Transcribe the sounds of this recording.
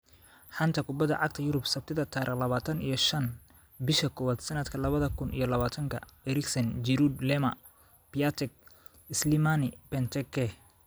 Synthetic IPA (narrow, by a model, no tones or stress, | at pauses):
ħɐnt̪ʰɐkʰʊbɐðɐ̰ʕɑɡ̚t̪ʰɐjʊɾʊbsɐb̚t̪ʰɪðɐt̪ʰaːɾʔɐlɐβaːt̪ʰɐnḭjɞʃɐn | bɪʃɐkʰɔβaːd̪sɐnɐd̪kʰɐlɐβɐðɐkʰʊnʔḭjɞlɐβaːt̪ʰɐŋkʰɐ̰ɛɾɪksɐnd͡ʒiɾud̪lɛmɐ | b̥ijat̪ʰɛk̚ | ɪslimanɪb̥ɛnt̪ʰɛɡɛ